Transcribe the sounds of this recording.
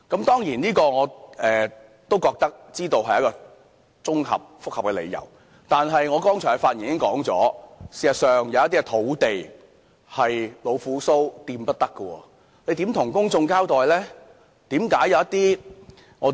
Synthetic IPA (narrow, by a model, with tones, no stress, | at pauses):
kɐ˨˥mt̪ɔː˥ŋjiː˨˩niː˥kɔː˧ŋɔː˨˧ɛː˨ | t̪o˥wkɔː˧k̚t̪ɐ˥k̚t͡siː˥t̪o˧wɦɐ˨jɐ˥kɔː˧ | t͡sʊ˥ŋhɐ̰˨p̚fʊ˥k̚hɐ˨p̚kɛː˧lḛ˨˧jɐ̰˨˩w | t̪aː˨nɦɐ˨jŋɔː˨˧kɔː˥ŋt͡ʃʰɔː˨˩kfaː˧t̚ji˨˩˨ɪ˥ŋkɔː˨˥ŋt͡sɔ̰ː˨˥si˨˧sɐ˨t̚sœː˨ŋjɐ˨˧wɐt̪̚iː˥ɛ˧t̪ʰo˨˥wt̪e˨j | hɐ˨jlo˨˧wfuː˨˥so˥wt̪iː˧mpɐ˥t̚t̪ɐ˥kːə˧wɔ̰ː˧ | le˨˧jt̪iː˨˥mt̪ʰʊ˨˩ŋkʊ˥ŋt͡sʊ˧ŋkaː˥wt̪ɔː˨jlɛː˥ | t̪iː˨˥mkaː˨˥jɐ˨wjɐ˥t̚t̪iː˥ | ŋɔː˨˧